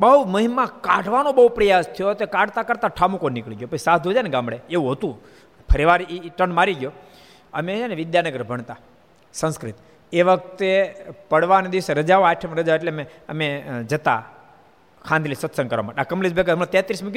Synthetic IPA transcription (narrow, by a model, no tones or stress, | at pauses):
bəɦuməɦimãkãʈʰʋanobəɦupɾəjast̪ʰijot̪ekãʈt̪akəɾt̪aʈʰamũkonːikɭiɡjopət͡ʃisad̪ʱud͡ʒaneɡãmbɭeeũɦət̪ũ | pʰəɾiʋaɾiʈənmaɾiɡjo | əmeaneʋɪd̪janəɡəɾbʱəɳt̪a | sə̃nskɾit̪ | eʋək̚t̪epəɽʋaned̪iʋseɾəd͡ʒaoaʈʰəmeɾəd͡ʒaoeʈleəmeəmed͡ʒət̪a̰ | kʰãnd̪lisʋət̪səŋkəɾʋa̰maʈeakəmlid͡ʒbekamɭãt̪jat̪ɾismẽk